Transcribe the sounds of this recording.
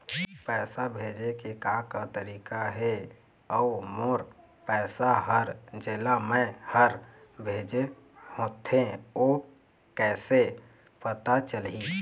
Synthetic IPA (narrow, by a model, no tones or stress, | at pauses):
pɛːsabʱeːd͡ʒekekakat̪əɾiːkaɦe | ɔumoːɾ | pɛːsaɦəɾd͡ʒeːlamẽhəɾbʱeːd͡ʒe | hõːt̪ʰẽo | kɛːse | pət̪at͡ʃəlɦĩ